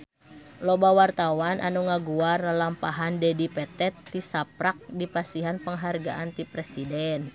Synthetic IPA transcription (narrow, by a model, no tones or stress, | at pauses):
lɔbawart̪awanʔa̰nuŋaɡuarlampaɦandɛdipɛt̪ɛt̪ːisap̚ɾak̚dipasiɦanpəŋɦarɡa̰ʔant̪ipɾɛsidɛn